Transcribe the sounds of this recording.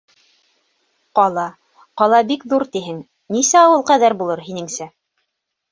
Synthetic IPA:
qɑlˠɑ | qɑlˠɑbikðuɾt̪iɦɘŋ | nisæɑwɤlˠqæðæɾbulˠɤɾɦinɘ̆ŋsæ

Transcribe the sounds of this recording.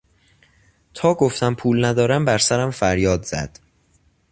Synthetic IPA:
t̪ʰɒːɡoft̪æmpʰuːlnæd̪ɒːɾæmbæɾsæɾæmfæɾjɒːd̪z̥æ̰d̪̥

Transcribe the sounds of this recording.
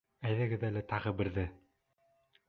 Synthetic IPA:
æðɘ̆ɡɘðælæt̪ɑʁɤbɘ̆ɾðɘ

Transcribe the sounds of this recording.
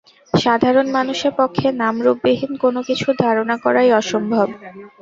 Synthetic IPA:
ʃad̪ʱaɾonmanuʃeɾpokʰːenamɾubːeɦinkonokit͡ɕʰud̪ʱaɾonakɔɾajɔʃombʱob

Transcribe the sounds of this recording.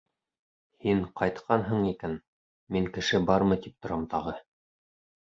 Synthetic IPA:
hiɴqɑjt̪qʰɑnɦɤɴikæn | miŋkɘ̆ʃɘbɑɾmɤ̆t̪ip̚t̪ŏɾɑmt̪ɑʁɤ

